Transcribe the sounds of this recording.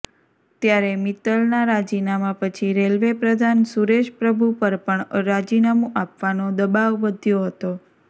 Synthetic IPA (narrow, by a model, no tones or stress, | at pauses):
t̪jaɾemit̪əlnaɾad͡ʒinamapət͡ʃʰiɾelʋepɾəd̪ʱansuɾeʃpɾəbʱupəɾpəɳɾad͡ʒinamũʔapʋanod̪əbaʋːəd̪ʱjoɦət̪o